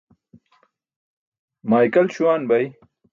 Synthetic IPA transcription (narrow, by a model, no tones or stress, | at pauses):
maːjkɐlɕuwaːnbɐj